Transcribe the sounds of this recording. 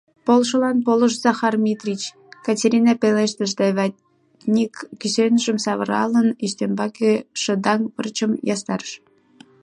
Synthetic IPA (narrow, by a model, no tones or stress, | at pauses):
polʃəlɑnpoləʃzɑxɑrmʲit̪rʲit͡ɕ | kɑtʲeɾʲinɑpeleʃt̪əʃd̪eβɑ | nʲikːysenʒəmsɑβəɾɑ̰ləniʃt̪embɑkeʃə̆d̪ɑŋβə̰rt͡ɕəmjɑst̪ɑrəʃ